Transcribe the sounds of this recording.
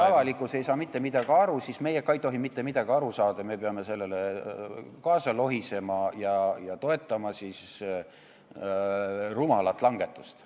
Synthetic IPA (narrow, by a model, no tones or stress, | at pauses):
ɑvɑlikːˑuse̞jsɑːmit̪ːe̞mid̪̥ɑɡ̥iɑɾusisme̞jekɑjt̪ːo̞ɦimit̪ːe̞mid̪̥ɑɡ̥iɑɾusɑːd̪̥ɑmepeɑme̞se̞lːe̞le | kɑːsɑlo̞ɦise̞mɑjɑjɑt̪o̞e̞t̪ːˑɑmɑsis | rumɑlɑt̪ːˑlɑŋɡ̥e̞t̪ˑːust̪